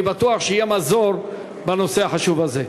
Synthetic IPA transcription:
bat̪uaχʃeijemazoɾ | bano̞se̞aħaʃuvaze

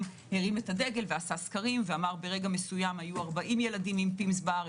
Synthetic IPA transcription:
heʁime̞tade̞ɡe̞lveasaskaʁimveamaʁbe̞ʁe̞ɡame̞sujamhajuaʁbaʔimje̞ladimimpimsbaʁ

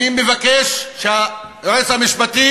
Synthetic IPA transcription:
imevakeʃʃeajoʁeshamiʃpat̪i

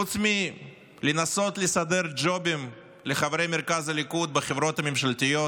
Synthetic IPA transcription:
ut͡s̪mi | lenaso̞t̪lesad̪e̞ɾd͡ʒo̞bim | leχavɾe̞jmeɾkazalikud̪̚bɪχevɾo̞t̪amemʃalt̪ijo

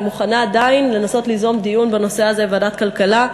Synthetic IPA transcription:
muχanaːd̪ainle̞naso̞t̪lizo̞md̪ijunbeno̞se̞aze̞vadat̪kalkala

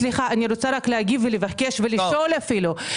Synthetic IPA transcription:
liχaʔaniɾot͡saɾaklehaɡivvelevake̞ʃveliʃolafilu

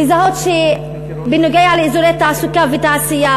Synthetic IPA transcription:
izahot̪ʃe | binoɡejʕalizulet̪ːaʕasukavit̪aʕsija

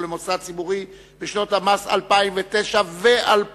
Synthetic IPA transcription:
lemot͡sat͡sibuʁi | beʃno̞thamasa̰lpaimvet̪eʃaveʔalp

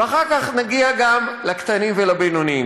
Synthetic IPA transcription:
veaχaʁkaχnaɡiaɡamlakt̪animvelabenonim

